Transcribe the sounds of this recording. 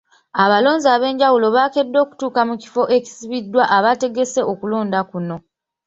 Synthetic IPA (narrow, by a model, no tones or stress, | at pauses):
aβalo̞ːɲzaβe̞ːɲɟawulo̞βake̞dːo̞ːku̥tuːkamuci̥fo̞ʔe̞ci̥siβidːwaʔaβate̞ɡe̞se̞ʔo̞kulo̞ːndakuno̞